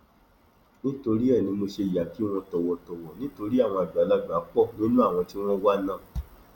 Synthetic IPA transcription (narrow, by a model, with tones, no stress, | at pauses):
nĩ˦to˧ɾi˦ɛ˦˨nĩ˧mo˧ʃe˧˨ja˨ki˨˦w̃ɔ̃˧tɔ˧wɔ˧tɔ˧wɔ˨nĩ˦to˧ɾi˦a˦˨w̃ɔ̃˧a˨ɡ͡ba˨˦la˦ɡ͡ba˨˦k͡pɔ˦˨nĩ˦nũ˦a˦˨w̃ɔ̃˧ti˦w̃ɔ̃˦wa˦nãː˦˨